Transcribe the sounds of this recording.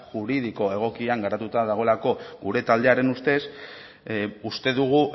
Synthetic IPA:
ʝuɾið̞iko̞e̞ɣ̞o̞kiaŋɡeɾat̪ut̪aðaɣo̞lako̞ɡuɾe̞t̪ald̪e̞aɾe̞nust̪e̞s | ust̪e̞ðuɣ̞u

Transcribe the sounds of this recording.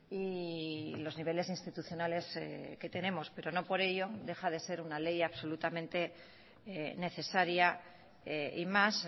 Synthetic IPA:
i | lo̞zniβ̞e̞le̞sinst̪it̪uθjo̞nale̞ske̞t̪e̞ne̞mo̞spe̞ɾo̞no̞po̞ɾe̞ʎo̞d̪e̞xað̞e̞se̞ɾunale̞jaβso̞lut̪amẽ̞nt̪e̞ | ne̞θe̞saɾja | imas

